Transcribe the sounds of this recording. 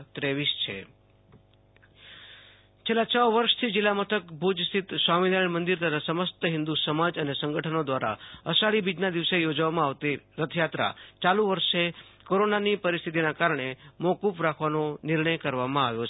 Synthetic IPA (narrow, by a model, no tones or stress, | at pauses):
t̪ɾeʋist͡ʃʰḛ | t͡ʃʰelat͡ʃəʋʋəɾʃt̪ʰid͡ʒɪlːamət̪ʰəkbud͡ʒst̪it̪saminaɭmənd̪iɾt̪ət̪ʰasəməst̪əɦɪnd̪usəmad͡ʒənesə̃ŋɡəʈʰənod̪ʋaɾa̰əsaɭibid͡ʒnad̪iʋsejod͡ʒʋamãaʋt̪iɾət̪ʰəjat̪ɾa̰t͡ʃalũʋəɾʃekoɾonanipəɾist̪ʰit̪̬inakaɾɳemokupɾakʰʋanonɪɾɳəjkəɾʋamãaʋjo